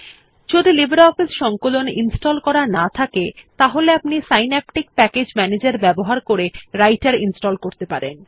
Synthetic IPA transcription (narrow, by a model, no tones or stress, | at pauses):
t͡ɕod̪ʱilibʱeɾɔfisʃɔŋkoloninsʈolkɔɾanat̪ʰaket̪aɦoleapnisajnɛp̚ʈik̚pɛked͡ʑmɛned͡ʑaɾbɛboɦaɾkoɾeɾajʈaɾinsʈolkoɾt̪epaɾḛn